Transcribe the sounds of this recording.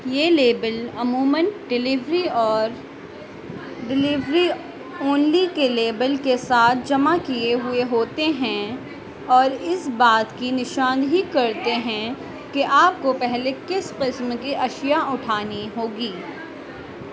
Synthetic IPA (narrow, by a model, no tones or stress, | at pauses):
jeːleːbəlɐmuːmə̃nɖɪlɪʋɾiɔːɾ | ɖɪlɪʋɾi | oːnlikeleːbəlkesaːt̪̚ʰd͡ʒɐmakieɦʊeɦoːt̪eɦɛ̃ | ɔːɾɪsbaːt̪kinɪʃãːnd̪ɦikɐɾt̪eɦɛ̃ | keʔaːp̚kopɛɦlekɪsqɪsmkiʔɐʃjaʊʈʰaːniɦoːɡiː